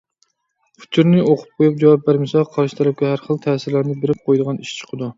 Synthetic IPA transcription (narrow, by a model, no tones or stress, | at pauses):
pʰʊ̥t͡ʃ̪ʰuɾnɪoqʰʊ̥p̚qʰojup̚d͡ʒɑwɑp̚bæɾmɪsɑqʰɑɾʃi̥t̪ʰɛɾɛp̚kʲɛɦæɾχəlˠt̪ʰæsɪɾlæɾnɨbeɾɪp̚qʰojd̪əʁɑniʃt͡ʃʰə̥qʰəd̪u